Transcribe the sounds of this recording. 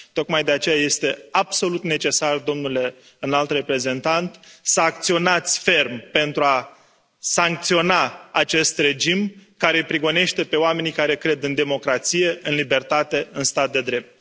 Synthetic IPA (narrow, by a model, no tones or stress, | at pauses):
t̪o̞kmajd̪e̞at͡ʃe̞jaje̞st̪e̞abso̞lut̪ne̞t͡ʃe̞sard̪o̞mnule̞ | ɨnalt̪re̞pɾe̞ze̞nt̪ant̪səak̚t̪sio̞nat̪sʲfe̞rmpe̞nt̪ɾua | saŋk̚t̪sio̞naat͡ʃe̞st̪re̞d͡ʒimkaɾe̞pɾiɡo̞ne̞ʃt̪e̞pe̞oame̞nijkaɾe̞kɾe̞d̪ɨnd̪e̞mo̞kɾat̪sije̞ɨnlibe̞rt̪at̪e̞ɨnst̪at̪̚d̪e̞d̪ɾe̞p̚t̪̚